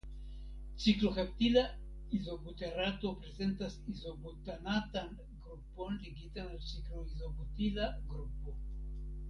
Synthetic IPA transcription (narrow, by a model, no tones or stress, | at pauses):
t͡ʃikloxep̚t̪ila | izoɡut̪erat̪opɾezent̪asizoɡut̪anat̪aŋ | ɡɾuponliɡit̪anelt͡ʃikloizoɡut̪ilaɡɾupo